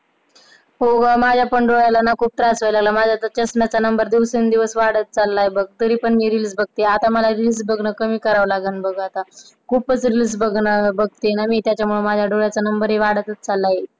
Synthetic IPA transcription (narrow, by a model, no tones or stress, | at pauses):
ɦomad͡ʑʱjapəɳɖoɭjalanakʰuːb̚t̪ɾasʋəjlaɡlamad͡ʑʱat̪ət͡ɕəsɳjat͡sanəmbəɾd̪iʋsənd̪iʋəsʋaɽət̪̚t͡salːajebəɡ̚t̪əɾiːpəɳmiːɾilisbəɡ̚t̪eat̪aməlaɾilisbəɡnəkəmiːkəɾaʋlaɡənbəɡat̪a | kʰuːpət͡sɾilis̬bəɡnəbəɡ̚t̪ejenamiːt̪jat͡ɕjamuɭemad͡ʑʱjaɖoɭjat͡sanəmbəɾɦeʋaɽət̪ət̪̚t͡salːaje